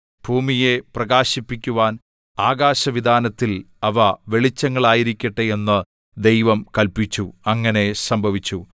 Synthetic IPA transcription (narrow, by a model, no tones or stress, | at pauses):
b̥ʱuːmije̞prɐɣaːɕipːikʲːuʋaːn | aːɡaːɕɐʋid̪ʱaːnɐt̪ːil | ɐʋɐʋe̞ɭit͡ɕːɐŋːɐɭaːjiɾikʲːɐʈːɨe̞nːɨ | d̪e̞jʋɐmkɐlpit͡ɕːuɐŋːɐne̞sɐmbʱɐʋit͡ɕːu